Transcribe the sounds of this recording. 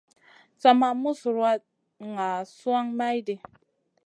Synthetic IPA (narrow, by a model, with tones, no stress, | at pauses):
t͡sa˦ma˦mu˦su˨ɾa˦t | ŋa˨su˦a˦ŋma˦jde˨